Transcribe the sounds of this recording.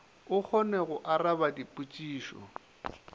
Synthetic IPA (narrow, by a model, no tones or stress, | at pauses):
ʊk͡xʰɔneɣʊʔarabadipʼut͡ʃʼiːʃɔ̰